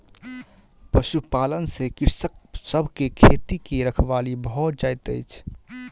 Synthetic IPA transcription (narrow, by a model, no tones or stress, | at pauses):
pəʃupaːlənsekɪɾsək̚səbʱkekʰet̪ikeɾəkʰʋalibəɦʊt̪̚d͡ʒaɪt̪əɪt͡ʃʰ